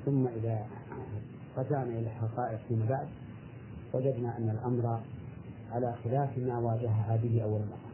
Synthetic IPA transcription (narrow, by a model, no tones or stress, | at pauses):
θʊmːaʔɪða | qɑt̪aʕnaʔɪlaħɑqɑːʔɪqfiːmabaʕd̪ | wad͡ʒad̪naʔanːalʔamɾˤɑ | ʕalaxɪlaːfmaːwaːd͡ʒaɦaɦabɪɦɪʔawːalmaqːaː